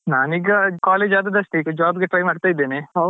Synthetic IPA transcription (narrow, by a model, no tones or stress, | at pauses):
naːniːɡɐkaːleːd͡ʒaːd̪ɐd̪ɐsʈiːɡɐd͡ʒaːbɡeʈɾɐjmaːɖt̪aːjid̪ːeːneɦo